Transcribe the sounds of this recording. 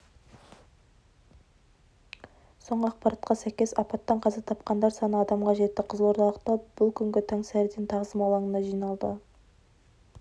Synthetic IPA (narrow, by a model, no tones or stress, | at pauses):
so̞ɴʁəɑq̚pɑɾɑt̪̚qɑsæjkʲe̞sɑpɑt̪ːɑɴqʰɑzɑt̪ʰɑp̚qɑnd̪ɑɾsɑnəɑd̪ɑmqɑʒe̞t̪ːɪqʰəzəlˠwo̞ɾt̪ɑlˠəq̚t̪ɑb̥ʊlˠkʲʰʏŋɡʲɪt̪ʰæŋsæɾd̪ent̪ʰɑʁəzəmɑlˠɑɴənɑʒijnɑlˠd̪ə